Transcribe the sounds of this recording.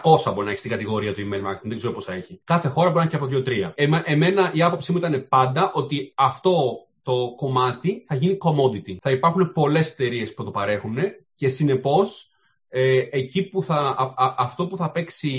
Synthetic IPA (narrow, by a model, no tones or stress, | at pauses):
ko̞sɐboɾinɐeçist̪iŋɡɐt̪iɣo̞ɾiɐt̪uimejlmɐɾket̪inðeɡzeɾo̞po̞sθɐe̞çikɐθe̞xo̞ɾɐboɾinɐcɐpoðʝot̪ɾiɐemʔeme̞nɐʔiɐpo̞psimuit̪ɐne̞pɐnd̪ɐʔo̞t̪iɐft̪o̞ | t̪o̞ko̞mɐt̪iθɐʝiniko̞mo̞d̪it̪iθɐipɐɾxunepo̞le̞se̞̥t̪e̞ɾie̞sput̪opɐɾe̞xune̞ce̞sine̞po̞s | eecipuθɐɐft̪o̞puθɐpe̞ksi